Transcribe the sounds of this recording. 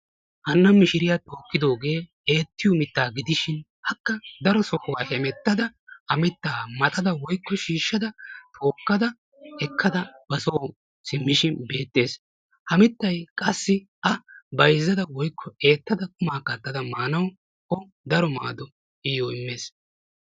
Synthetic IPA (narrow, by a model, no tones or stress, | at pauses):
hɐnːɐmɪʃɪɾɪjaːt̪ʼo̞ːkːɪd̪o̞ːɡe̞ː | eːt̪ːɪjɔmɪt̪ːaːɡɪd̪ɪʃɪn | hɐkːɐd̪ɐɾɔsɔhʊwaːhɛmɛt̪ːɐd̪ɐʔɐmɪt̪ːaːmɐt̪ʼɐd̪ɐwɔjkːɔʃiːʃːɐd̪ɐt̪ʰo̞ːkːɐd̪ɐ | ɛkʰːɐd̪ɐb̥ɐsoː | sɪmːɪʃɪnbe̞ːt̪ʼːe̞ːs | hɐmɪt̪ːɐjkʼɐsːɪ | ʔɐbɐjzːɐd̪ɐwɔjkʰːɔe̞ːt̪ːɐd̪ɐkʼʊmaːkɐt̪ːɐd̪ɐmaːnɐw | ɔ | d̪ɐɾɔma̰ːd̪ɔ | ɪjoːɪmːeːs